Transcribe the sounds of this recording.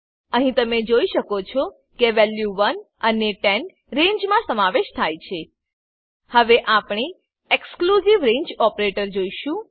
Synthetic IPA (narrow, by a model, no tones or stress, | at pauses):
əɦĩt̪əmed͡ʒoiʃəkot͡ʃʰɔ | keʋɛljuʋən | əneʈen | ɾẽɲd͡ʒmãsəmaʋeʃt̪ʰajt͡ʃʰe | həʋeʔapɳi | eksklusiʋɾẽɲd͡ʒɔpɾeʈəɾd͡ʒoiʃũ